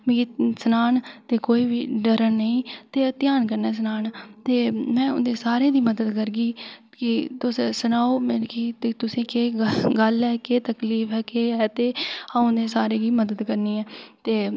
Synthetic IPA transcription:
mẽːkisənaːnt̪eːkoːiːbiːɖəɾənnəĩːt̪eːt̪ɪjaːnkəɾnɛːs̬ənaːnt̪eːmɛ̃ːʊnd̪eːsaːɾeːd̪iːməd̪əd̪kəɾɡiː | kɪt̪ʊssənaːoːmekiːt̪et̪ʊsẽːkeːɡəlɦɛːkeːt̪əkliːfɛːkeːɦɛːt̪eːãːʊnd̪eːsaːɾeːɡiːməd̪əd̪kəɾniːɛːt̪eː

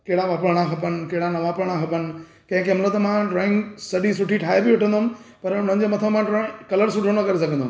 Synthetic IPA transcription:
keɦɪɽaʋaːpɾəɽ̃axɐpənɪ̆keɦɪɽanɐʋaːpɽəɽ̃ãxɐpənɪ̆ | kɐ̃ɦɪ̃kemlət̪ɐmãɖɾoːɪ̃ŋɡsɐɗisʊʈʰiʈʰaːebiʊʈʰə̃nd̪oɦʊ̃m | pɐɾʊn̤ə̃n̆d͡ʑeːmɐt̪ʰəmãɖɾõkɐləɾs̬ʊʈʰonɐkɐɾesɐɡʱə̃nd̪ɦm

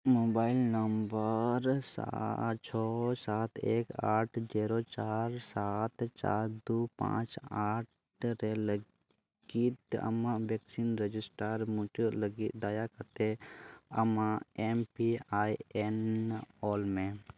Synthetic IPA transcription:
moːbaːɪlnəmbəɾsa̰t͡ʃʰɔːsaːt̪ʰḛːkaːʈʰd͡ʒɛːɾot͡ʃaːɾsat̪t͡ʃa̰ːɾd̪uːpã̰ːt͡ʃaːʈ | ɾelə | ɡit̪ɐ̰mãʋeːksinɾed͡ʒɪsʈəɾmʊ̃t͡ʃulɡid̪aːjakət̪eɐmãempiaːienɔːlmẽ

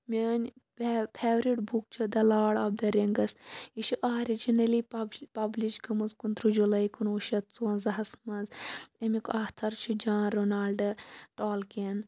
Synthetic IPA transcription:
mʲinʲ | pʲʰeːʋɾiʈbʱuk̚t͡ʃʰid̪ɐlaːɽɐːb̚d̪ɐɾeŋɡɐsiʃiʔaːɾid͡ʒinɐlipɐbliʃɡɐmɐzkunt̪ɾud͡ʒulɐjkunoːʃɐt̪t͡soːnzɐɦɐsmɐnzɐmikaːt̪ʰɐɾt͡ʃʰid͡ʒaːnɾonaːlɖɨʈaːlken

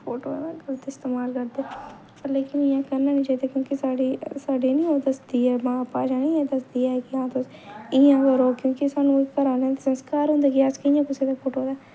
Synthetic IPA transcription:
pʰoːʈo̰ːelkəlt̪ːeɪst̪eːmaːlkəɾd̪eː | pəɾleːkɪnɪjãːkəɾnãːnĩːt͡ʃaːiːd̪eːkjõːkɪsaːɖiːsaːɖiːnĩːoːd̪əsd̪iːɛːmãːpaːd͡ʒaːnĩːɛ̃ːd̪əsd̪iːɛːekɪãːt̪osɪjãːkəɾoːkjõːkɪsaːnũːkːəɾãːnɛ̃ːt̪ːsənskaːɾɦʊ̃nd̪aːkiaskəɪ̃jãːpʊseːd̪aːpʰoːʈoːd̪aː

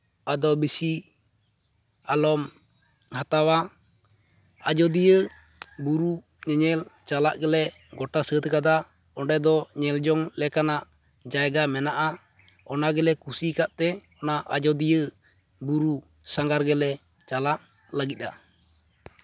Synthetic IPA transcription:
ad̪ɔbisi | alɔm | hat̪awa | ad͡ʒɔd̪ijə | buɾu | ɲɛɲɛlt͡ʃalaʔɡɛlɛ | ɡɔʈasət̪kad̪a | ɔɳɖɛd̪ɔɲɛld͡ʒɔŋlɛkanaʔ | d͡ʒaɛɡamɛnaʔa | ɔnaɡɛlɛkusikaʔt̪ɛɔnaʔad͡ʒɔd̪ijə | buɾu | saŋɡaɾɡɛlɛ | t͡ʃalaʔ | laɡit̪̚ˀa̰

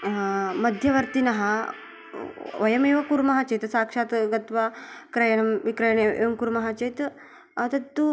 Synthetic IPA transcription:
mɐd̪ʱjɐʋɐɾt̪inɐɦa | ʋɐjɐmeːʋɐkuɾmɐɦat͡ʃejt̪saːkʂaːt̪ɡɐt̪ʋakɾɐjɐɳɐmʋikɾɐjɳeʔḛʋɐmkuɾmɐɦat͡ʃejt̪ | ɐt̪ɐt̪ːu

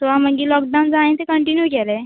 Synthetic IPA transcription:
t̪ɔaməɡiːlɔk̚ɖawnd͡zaĩnt̪ekəɳʈinjukɛle

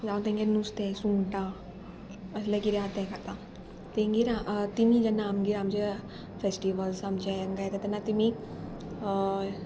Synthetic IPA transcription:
d͡zaʋt̪ẽŋɡenust̪esuŋʈa | əs̬lekiɾjɦat̪ɛkat̪a | t̪ẽŋɡiɾaʔt̪imid͡ʑanːaːmɡiɾaamt͡ɕe | fesʈiʋəlsamt͡ɕeŋɡajt̪at̪ɛnːat̪imi

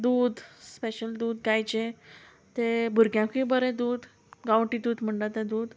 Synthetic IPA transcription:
d̪uːd̪speɕəld̪uːd̪ɡajt͡ɕe | t̪ebʱuɾɡjãkĩbəɾẽd̪uːd̪ | ɡãwʈid̪uːd̪m̤əɳʈ̪at̪ẽd̪uːd̪

